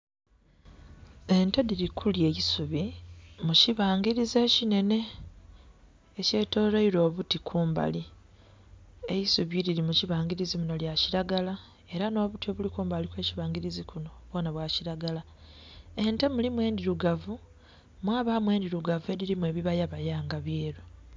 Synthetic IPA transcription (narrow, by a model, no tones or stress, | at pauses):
e̞nte̞diɾikʰulje̞ːjisuβimuciβaːŋɡiɾize̞ːcine̞ne̞ | ce̞ːto̞ːɾeiɾo̞ːβutikʰuːmba̰li | e̞jisuβiɾiɾimuciβaːŋɡiɾizimuno̞ljaciɾaɡala | e̞ɾano̞ːβutio̞ːβulikuːmbalikwe̞ːciβaːŋɡiɾizikuno̞βwo̞ːnaβwaːciɾaɡala | e̞nte̞mulimwe̞ːndiɾuɡavu | mwaːβamwe̞ːndiɾuɡavue̞diɾimwe̞ːβiβajaβajaːŋɡaβjeːɾo